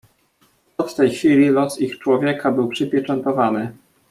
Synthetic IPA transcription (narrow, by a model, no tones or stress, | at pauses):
ɔt̪t̪ɛjxfʲilʲilɔsixt͡ʂwɔvʲjɛkʰabɘwpʂɘpʲjɛt͡ʂɛnt̪ɔvanɘ